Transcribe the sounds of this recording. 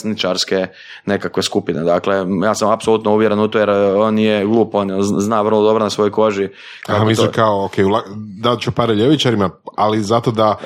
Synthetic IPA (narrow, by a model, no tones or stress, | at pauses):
snit͡ʃaɾske | ne̞kakʋe̞skupined̪akle̞jaːsamapsolut̪nouʋjeɾenut̪ojeɾonjeɡlˠuːpoːnonznaːʋr̩lˠod̪o̞bɾonasʋo̞jojko̞ʒi | kakamisikaookʰejulad̪at͡ʃupaɾɛʎeʋit͡ʃaɾimaalizat̪od̪a